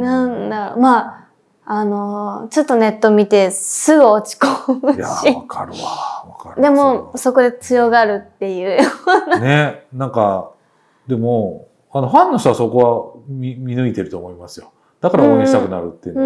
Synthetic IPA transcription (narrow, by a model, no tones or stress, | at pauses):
nãnd̪a̰ma | ano̞t͡ɕo̞t̪ːo̞ne̞t̪ːo̞mʲit̪e̞sɨɡɯot͡ɕi̥koɯja̰ɕiakaɾɯaakaɾd̪e̞mo̞so̞ko̞d̪e̞t͡sɨjo̞ɡaɾɯ̟t̪ːe̞jɯ̟ːjonanenãŋka | d̪e̞mo̞ | ano̞ɸãnːoɕt̪oβaso̞ko̞βamʲimʲinɯ̟it̪e̞ɾɯ̟t̪o̞ːmo̞imasɨjo̞ | d̪̥akaɾaoːɲʲĩt̪akɯ̟naɾɯ̟t̪ːe